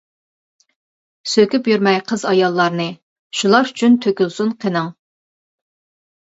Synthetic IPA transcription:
søkʲypjyɾmɛjqʰəzɑjɑlˠːɑɾnɨ | ʃulˠɑɾyt͡ʃʰynt̪ʰøkʲylˠsunqʰənɨŋ

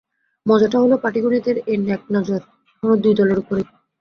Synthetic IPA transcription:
mɔd͡ʑaʈaɦolopaʈiɡoɾiod̪eɾenɛk̚nɔd͡ʑoɾʰ | onod̪ujd̪ɔleɾupoɾe

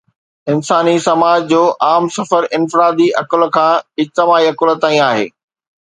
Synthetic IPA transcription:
ɪnsaːnisɐmaːd͡ʑd͡ʑoːʔaːmsɐfəɾʔɪnfɪɾaːd̪iʔɐkəl̆kʰãːɪd͡ʑt̪ɪmaːiɐkələt̪aːĩaːɦḛː

